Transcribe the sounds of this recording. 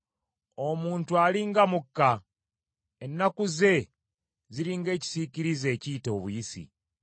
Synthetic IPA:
o̞muːntualiŋɡamukːa | enːakuze̞ | ziɾiŋɡe̞ːci̥siciɾize̞ːciːto̞ːβujisḭ

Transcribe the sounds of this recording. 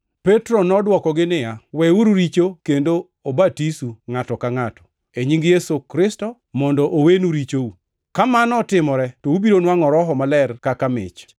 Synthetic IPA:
pɛtɾɔnɔdwɔkɔɡɪnɪjawɛuɾuɾit͡ʃokendo | obatisuŋatɔkaŋatɔ̥ | eɲiŋɡjesokɾɪstɔ | mɔndɔʔowenuɾit͡ʃou | kamanɔtɪmɔɾɛtɔubiɾonwaŋɔɾɔɦɔmalɛrkakamɪ̰t͡ʃ

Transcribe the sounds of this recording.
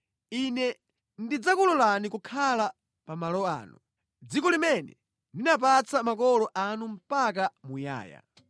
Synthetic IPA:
inɛ | ndid͡zakulɔlanikukʰala | pamalɔa̰ːnu | d͡zikɔlimɛnɛ̰ | ndinap̬at͡samakɔlɔʔanum̩pak̬amuja̰ːja̰

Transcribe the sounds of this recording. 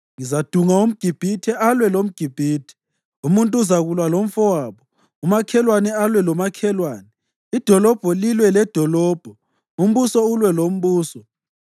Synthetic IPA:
ŋizad̥ʱuŋaum̩ɡ̥ʱib̥ʱitʰɛʔalwɛlom̩ɡ̥ʱib̥ʱiːtʰɛ̥ | umuntʼuzaɣulwalom̩fɔwaːβɔ | umakʰɛlwanɛalwɛlɔmakʰɛlwaːnɛ | id̥ʱɔlɔb̥ʱɔlilwɛlɛd̥ʱɔlɔːb̥ʱɔ | um̩βusɔulwɛlom̩βuːsɔ

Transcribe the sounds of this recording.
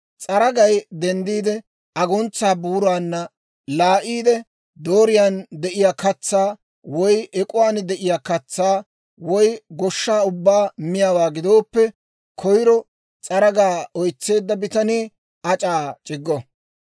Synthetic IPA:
t͡sʼɐɾɐɡɐjd̪ɛnd̪iːd̪ɛ | ɐɡɔnt͡sːaːbuːɾaːnːɐ | laːʔiːd̪ɛ | d̪o̞ːɾɪjaːnd̪ɛʔɪjaːkɐt͡sːaː | wɔjʔɛkʼʊwaːnd̪ɛʔɪjaːkɐt͡sːaː | wɔjɡɔʃːaːʊbːaːmɪjawaːɡɪd̪o̞ːpːɛ | kʰɔjɾɔ | t͡sʼɐɾɐɡaːɔjt͡sːe̞ːd̪ːɐbɪt̪ɐniː | ʔɐt͡ʃʼaːt͡ʃʼɪɡːɔ

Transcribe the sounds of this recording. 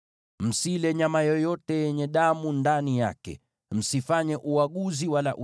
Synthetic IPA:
m̩silɛɲamajɔjɔtɛjɛɲɛɗamundanija̰kɛ̰ | m̩sifaɲɛʔuaɠuziwalaʔu

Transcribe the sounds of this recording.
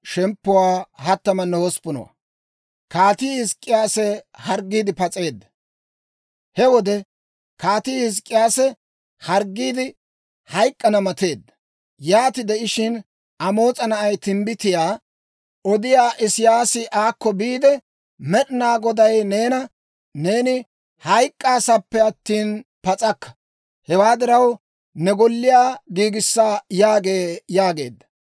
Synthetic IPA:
ʃɛmpːʊwaːɦɐt̪ːɐmɐnoːɔspʊnɔ̰wɐ̰ | kaːt̪iːhɪskʼːɪjaːsɛhɐɾɡːiːd̪ɪpɐt͡sʼe̞ːd̪ːɐ̥ | hɛwɔd̪ɛ | kaːt̪iːhɪs̬kʼːɪjaːsɛ | hɐɾɡːiːd̪ɪ | hɐjkʼːɐnɐmɐt̪e̞ːd̪ːɐ | jaːt̪ɪd̪ɛʔɪʃɪn | ʔɐmo̞ːt͡sʼɐnɐʔɐjt̪ɪmbɪt̪ɪjaː | ʔɔd̪ɪjaːʔɪsɪjaːsɪʔaːkːɔbiːd̪ɛ | mɛɗɪnaːɡɔd̪ɐjne̞ːnɐ | ne̞ːnɪ | hɐjkʼːaːsɐpːɛɐt̪ːiːnpɐt͡sʼɐkːɐ̥ | hɛwaːd̪ɪɾɐw | nɛɡɔlːɪjaːɡiːɡɪsːaːjaːɡe̞ːjaːɡe̞̰ːd̪ːɐ

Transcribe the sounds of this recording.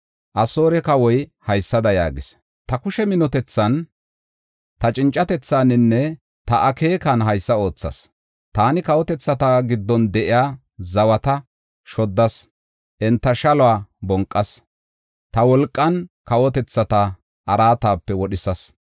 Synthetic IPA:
ʔɐso̞ːɾɛkɐwɔjhɐjsːɐd̪ɐja̰ːɡɪs | t̪ɐkʊʃɛmɪnɔt̪ɛt͡sːɐn | t̪ɐt͡ʃʼɪnt͡ʃʼːɐt̪ɛt͡sːaːnɪnːɛ | t̪ɐʔɐke̞ːkɐnɦɐjsːɐo̞ːt͡sːɐ̰s | t̪aːnɪkɐwɔt̪ɛt͡sːɐt̪aːɡɪd̪ːɔnd̪ɛʔɪjaː | zɐwɐt̪ɐ | ʃɔd̪ːɐs | ʔɛnt̪ːɐʃɐlɔaːbɔŋkʼːɐs | t̪ɐwɔlkʼːɐnkɐwɔt̪ɛt͡sːɐt̪a | ʔɐɾaːt̪aːpːɛwɔɗɪsɐs

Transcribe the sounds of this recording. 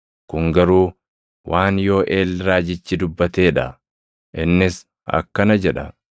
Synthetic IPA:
kʊŋɡɐɾuː | wʔaːnjo̞ːʔeːlːɾaːd͡ʒɪt͡ʃːɪd̪ʊbːɐt̪e̞ːᶑɐ | ʔɪnːɪs | ɐ̰kːɐnɐd͡ʒɛᶑɐ

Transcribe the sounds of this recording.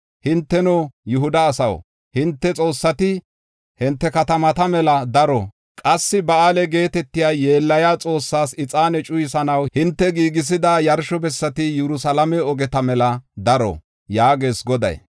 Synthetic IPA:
hɪnt̪ːɛnɔjʊɦʊd̪ɐːsɐ̰w | hɪnt̪ːɛt͡sʼo̞ːsːɐt̪ɪ | hɪnt̪ːɛkɐt̪ɐmɐt̪ɐmɛlɐd̪ɐɾɔ | kʼɐsːɪbɐaːlɛɡe̞ːt̪ɛt̪ːɪjaːje̞ːlːɐjaːt͡sʼo̞ːsːaːsɪt͡sʼaːnɛt͡ʃʼʊjɪsɐnɐwhɪnt̪ːɛɡiːɡɪs̬ɪd̪ajɐɾʃɔbɛsːɐt̪ɪjɛɾʊsɐlɐmɛɔɡɛt̪ɐmɛlɐd̪ɐɾɔ̰ | jaːɡeːsɡɔd̪ɐ̰j

